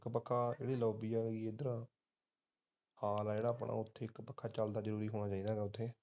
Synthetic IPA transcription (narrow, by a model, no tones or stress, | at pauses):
kpəkʰːaːḛːɽiːloːbiːɛːied̪əɾː | haːlɛːd͡ʒeːɽaːəpɽʔa̰ːʊt̪ʰːeːɪkpəkʰːaːt͡ʃəld̪aːzəɾuːɾiːɦoːɽaːt͡ʃaːiːd̪aːɡɛːʊt̪ʰːeː